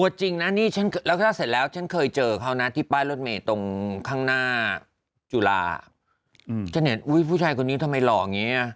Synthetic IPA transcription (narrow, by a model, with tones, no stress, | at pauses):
ʔu˨˩t̪̚t͡ɕi˧ŋna˦˥niː˥˩t͡ɕʰa˦˥n˧lɛː˦˥k̪ʰa˥˩se˨˩t̪lɛː˦˥wt͡ɕʰa˦˥nkʰɤː˧jt͡ɕɤː˧kʰa˦˥˩wna˦˥t̪ʰiː˥˩paː˥˩jlo˦˥˩t̪̚meː˧t̪o˧ŋkʰaː˥˩ŋnaː˥˩ | t͡ɕuː˧˩la̰ː˧ | t͡ɕʰa˦˥nhe˩˦nʔu˦˥˩jpʰuː˥˩aː˧jkʰo˧nːiː˦˥t̪ʰa˧mːa˧jlɔː˨˩ʔa˨˩ŋiː˦˥ʔ